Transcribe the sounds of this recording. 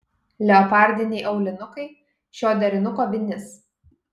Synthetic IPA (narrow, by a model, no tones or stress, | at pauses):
lʲɛɔpɑːˑɾʲd̪ʲɪnʲɛɪʔɐʊlʲɪnʊkɐɪ | ʃʲoːd̪ʲɛɾʲɪnʊkoːbʲɪnʲɪs